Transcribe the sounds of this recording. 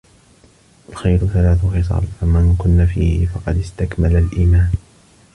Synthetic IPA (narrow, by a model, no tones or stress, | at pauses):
ʔalxajɾʊθalaːθʊxɪs̬ˤɑ̰ːlfamankʊnːafiːhɪfɑqɑd̪ɪst̪akmalalʔiːmaːn